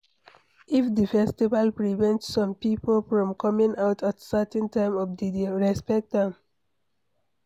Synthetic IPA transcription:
ifdifɛstivalpɹivɛ̃ntsɔ̃mpipolfɹɔ̃mkʰɔmĩŋaʊtʰatsatɛ̃ntãɪ̃mɔfdidiɹɛspɛk̚tãm

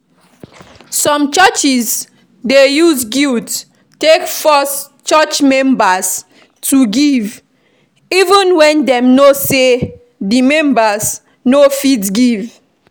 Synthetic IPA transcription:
sɔ̃mt͡ʃat͡ʃis | dejusɡilt | tekfɔs | t͡ʃat͡ʃmɛ̃mbas | tuɡiv | ivũnwɛ̃ndɛ̃mnose | dimɛ̃mbas | nofitɡiv

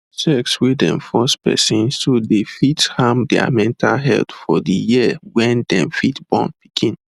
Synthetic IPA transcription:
sɛkswidɛ̰̃nfɔspɛ̰sĩnsodefithãmdɛa̰mɛ̃ntʰalɦɛ̰ltfɔdijiəwɛ̃ndɛ̃mfitb̥ɔ̰̃npi̥kʰĩn

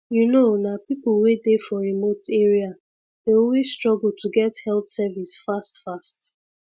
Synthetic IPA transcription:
junonapipulwedefɔɹimotʰeɹia | deolwesstɹɔɡul̩tuɡɛthɛlt̪sɛvisfastfast

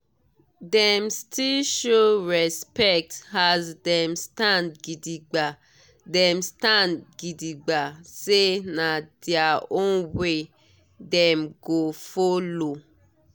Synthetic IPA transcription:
dɛ̃mstʰilʃoɹɛspɛk̚thazdɛ̃mstãndɡidiɡ͡ba | dɛ̃mstãndɡidiɡ͡basenadɛaõnwe | dɛ̃mɡofolo

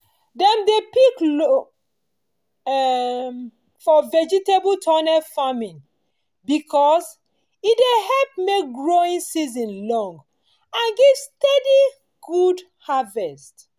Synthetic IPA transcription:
dɛ̃mdepikl | m | fɔvɛd͡ʒitebultʰɔnɛfamĩn | bikʰɔs | idehɛlp̚mek̚ɡɹoĩnsizɔ̃nlɔ̃ŋɡ | ãnɡɛvstɛdi | ɡ̥ud | havɛst

